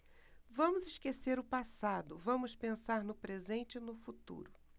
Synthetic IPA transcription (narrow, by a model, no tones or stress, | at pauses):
vɐ̃mʊzɪʃkeseɾʊpasad̪ʊvɐ̃mʊspẽsaɾnʊpɾezẽnt͡ʃɪnʊfut̪ṵɾʊ